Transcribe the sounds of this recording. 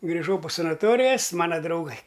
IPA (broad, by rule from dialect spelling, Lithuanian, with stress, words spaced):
ɡrʲɪˈʒɐʊ poː sɐnɐˈtoːrʲɪjɛs ˈmɑːnɐ drɐʊˈɡɐɪ